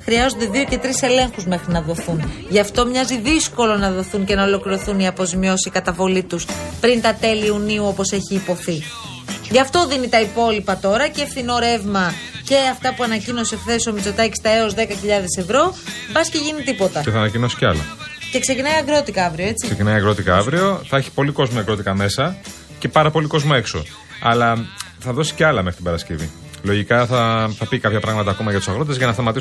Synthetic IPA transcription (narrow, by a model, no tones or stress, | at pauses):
xɾiɐzond̪e̞ðio̞ce̞t̪ɾise̞le̞ŋxuzme̞xɾinɐðo̞θunʝɐft̪o̞mɲɐziðisko̞lo̞nɐðo̞θuŋce̞nɐo̞lo̞kliɾo̞θuniɐpo̞zimio̞sikɐt̪ɐvo̞lit̪uspɾint̪ɐt̪e̞liuniuo̞po̞se̞çiːpo̞θi | ʝɐft̪o̞ðinit̪ɐipo̞lipɐt̪o̞ɾɐcefθino̞ɾevmɐ | ce̞ɐft̪ɐpuɐnɐcino̞seekθe̞so̞mit͡so̞t̪ɐci̥st̪ɐe̞o̞zðe̞kɐçiʎɐðe̞se̞vɾo̞bɐsce̞ʝinit̪ipo̞t̪ɐceθɐːnɐcino̞si̥ceɐlɐ̰ce̞kse̞cinɐjɐɡɾo̞t̪ikɐɐvɾioe̞t͡siksecinɐjɐɣɾo̞t̪ikɐɐvɾio̞θɐeçi̥po̞liko̞zmoɐɣɾo̞t̪ikɐme̞sɐ | ce̞pɐɾɐpo̞liko̞zmoe̞kso̞̰ | ɐlɐ | θɐðo̞si̥ceɐlɐmeɾit̪ibɐɾɐscevḭ | lo̞ʝikɐθɐθɐpikɐpçɐpɾɐɣmɐt̪ɐːko̞mɐʝɐt̪u̥sɐɣɾot̪ezʝɐnɐst̪ɐmɐt̪is